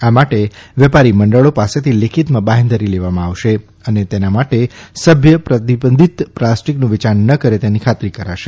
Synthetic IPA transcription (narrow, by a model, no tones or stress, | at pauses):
amaʈeʋjɛpaɾiməɳɖəɭopaset̪ʰilekʰit̪mãbaɦẽnd̪ʱəɾileʋamãaʋʃe | ənet̪enamaʈesəbʱjəpɾət̪ibənd̪ʱit̪plasʈiknũʋɪt͡ʃaɾnəkəɾet̪enikʰat̪ɾikəɾaʃe